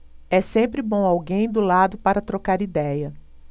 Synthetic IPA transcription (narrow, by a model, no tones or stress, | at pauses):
ɛsẽmpɾɪbõw̃awɡẽj̃d̪ʊlad̪ʊpaɾɐt̪ɾokaɾid̪ɛjɐ